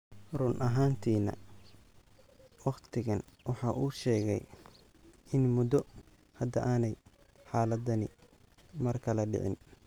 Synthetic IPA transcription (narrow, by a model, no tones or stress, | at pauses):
rʊnʔɐɦaːnt̪ʰiːnɐ̰ | wɑχt̪ʰɪɣɐnwɑħɑːʔuːʃɛːɣɛ̰j | ɪnmʊd̪ɔ | hɐd̪ɐʔaːnɛj | ħɑːlɐd̪ɐnɪ̰ | mɐrkʰɐlɐɖɪ̰ʕɪ̰n